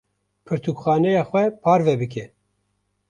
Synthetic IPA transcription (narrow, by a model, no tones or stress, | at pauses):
pʰɨɾt̪ʰukxɑːnɛjɑːxʷɛpʰɑːɾvɛbɨk̬ʰɛ